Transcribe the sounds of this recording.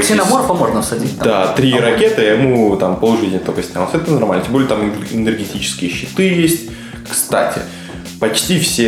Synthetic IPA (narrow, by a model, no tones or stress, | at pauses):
sʲɪnɐmorpɐmoʐnəfsɐdʲit̪̚ʲd̪at̪ɾʲiɾɐkʲet̪ɨjɐmut̪ampəlˠʊʐɨtʲnʲɪjət̪okəsʲnʲalˠsɛt̪ənɐrmalʲnətʲembolʲjət̪amɨɪnʲɨrɡʲɪtʲit͡ɕɪ̥skʲɪjəɕːɪt̪ɨjesʲtʲ | kst̪a̰tʲɪ̰ | pɐt͡ɕtʲifsʲe